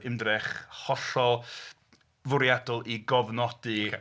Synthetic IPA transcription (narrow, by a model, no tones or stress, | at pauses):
ɪmdrɛχhɔɬɔ | vʊɾjadɔlˠiɡɔvnɔdɨ